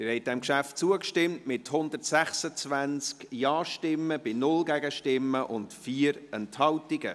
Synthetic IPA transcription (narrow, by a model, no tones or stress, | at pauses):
ɪhɛɪt̚dɛmkʃæftt͡suəkʃtɪmtmɪthʊndərtsɛχsət͡svænskjɑːʃtɪmːəb̥ɪnʊlɡɛɡəʃtɪmːəʔʊntfiːɾɛnthɑltɪɡə